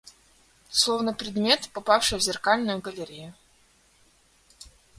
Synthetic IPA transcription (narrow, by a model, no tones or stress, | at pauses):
slˠo̞vnəpɾʲɪd̪mʲe̞t̪pɐpafʂɨjvzʲɪrkalʲnʊjʊɡəlʲɪɾʲɪjʊ